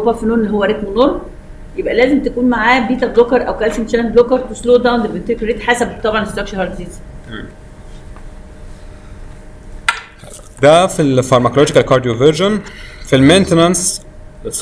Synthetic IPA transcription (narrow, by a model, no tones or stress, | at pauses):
bɑfinuːnlːɦowːæɾˤet̪mnoɾˤ | jebʔælæːzemt̪ækuːnmaʕaːbiːt̪ælokɑɾˤʔæwkælʃint͡ʃæːnb̪lokɑɾˤt̪usloːd̪æwnd̪emʔent̪eɾkɾet̪ħaːsæbt̪ːˤɑbʕɑnest̪ːɑkʃehɑɾd̪iːz | d̪æfilfɑɾˤmækolod͡ʒikælkɑɾˤd̪ijoveɾʒonfilment̪enæns